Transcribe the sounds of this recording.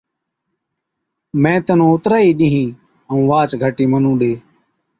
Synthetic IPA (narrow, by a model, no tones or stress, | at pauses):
mɛ̃ːt̪ənõːʊt̪ɾaːiːɗĩːɦĩː | əũːʋaːt͡ʃɡʱəʈiːmənũːɗeː